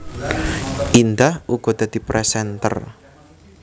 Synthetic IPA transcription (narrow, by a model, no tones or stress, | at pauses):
ʔind̪ahʔuɡ̥ɔd̪̥a̤d̪̥i̤pɾɛsɛnt̪ə̰r